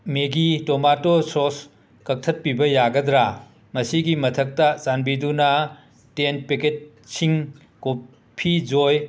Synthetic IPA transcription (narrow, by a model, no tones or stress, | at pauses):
meɡitomatosɔs | kɐk̚tʰɐt̚pibɐjaɡɐdɾa | mɐsiɡimɐtʰɐk̚tɐt͡ʃanbidunɐ | tenpeket̚ | siŋ | ko | pʰid͡ʒoj